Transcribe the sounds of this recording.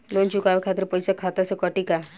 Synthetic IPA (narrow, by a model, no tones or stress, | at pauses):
lont͡ʃʊkaʋekʰat̪ɪɾpəjsakʰat̪asekəʈika